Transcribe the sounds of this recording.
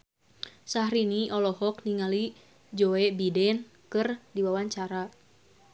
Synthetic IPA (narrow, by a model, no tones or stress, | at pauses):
sahɾiniʔɔlɔɦɔk̚niŋali | d͡ʒoɛbidɛn | kɨrdiwawaɲt͡ʃaɾa